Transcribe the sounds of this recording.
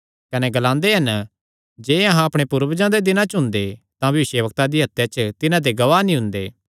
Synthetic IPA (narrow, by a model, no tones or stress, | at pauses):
kɐnɛɡɐlãːnd̪eɦɐn | d͡ʒeːɐɦãɐpɽ̃epʊɾʋd͡ʒãd̪ed̪ɪnãt͡ʃʊ̃nd̪e | t̪ãbʱɐʋɪʃjeʋək̚t̪ad̪iɦɐt̪ːet͡ʃt̪ɪnãd̪eɡɐʋaːnĩɦʊ̃nd̪eː